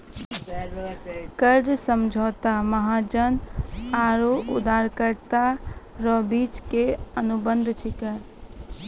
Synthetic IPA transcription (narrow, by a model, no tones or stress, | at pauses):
kəɾɖsəmd͡ʒʱɔːt̪aməɦad͡ʒənaɾoṵd̪aɾkəɾt̪a | ɾɔbit͡ʃkeənubə̃nd̪ʱt͡ʃʰikəɾ